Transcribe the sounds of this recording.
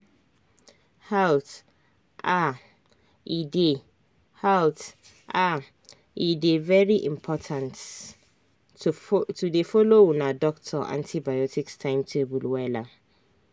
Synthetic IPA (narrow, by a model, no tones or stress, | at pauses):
halt | ʔa | ide | halt | a | idevɛɹiʔḭ̃mpʰɔtʰãnt | tʰudefolowunadɔktʰɔʔã̰ntʰibajɔtʰikstʰãɪ̃mtʰebulwɛla